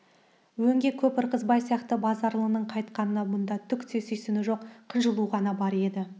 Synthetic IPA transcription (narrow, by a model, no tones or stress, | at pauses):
wɵŋɡʲe̞kʲʰɵpɪɾqəzbɑjsijɑqt̪əbɑzɑɾlˠəənəɴqʰɑjt̪qɑnənɑmʊnd̪ɑt̪ʰʏkt̪ʰesʏjsɪnɪʒo̞qqʰːənʒəlˠuʁɑnɑbɑɾe̞d̪ɪ